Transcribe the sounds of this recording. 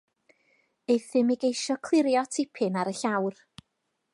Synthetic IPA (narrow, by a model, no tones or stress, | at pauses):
ejθɪmɪɡejʃɔkʰl̥ˠɪɾjɔtʰɪpʰɪnaɾəɬawr